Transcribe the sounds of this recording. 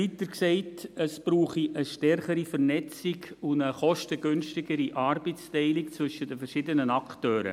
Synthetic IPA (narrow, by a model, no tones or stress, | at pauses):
itəɾksɛɪtəsb̥ruːχiʔəʃtɛrχəɾifɛrnɛt͡sɪɡʊndəχɔʃtəɡʏnʃtɪɡəɾiʔɑːɾbɛstɛɪlɪkt͡svɵʃədəfɛɾʃɪdənənɑktøːɾə̰